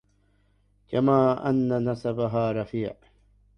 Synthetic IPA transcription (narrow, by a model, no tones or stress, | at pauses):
kamaːʔanːanasabaɦaːɾˤɑfiːʕ